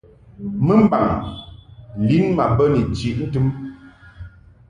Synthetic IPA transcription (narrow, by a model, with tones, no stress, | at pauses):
mə˦m̩˦ba˨ŋ˨ | li˦nma˨bə˦ni˨t͡ʃi˨ʔn̩˦tɨ˦m